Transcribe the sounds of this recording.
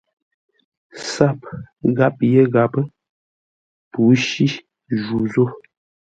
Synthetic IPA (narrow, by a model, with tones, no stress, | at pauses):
sa˦˨p̚ɡa˦p̚je˦ɡa˨pə˦ | pu˨˦ʃi˦ | ʒu˨zo˦